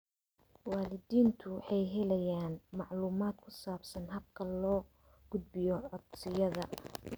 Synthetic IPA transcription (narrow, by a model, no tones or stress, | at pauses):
wɑːlɪðiːnt̪ʰʊħɑjɦɛlɛjaːnmɑʕluːmaːd̪̚kʰʊsaːbsɐnɦɐb̚kʰɐlɔː | ɡ̥ʊd̪̚bɪjɔʕɔd̪sɪjɐðɐ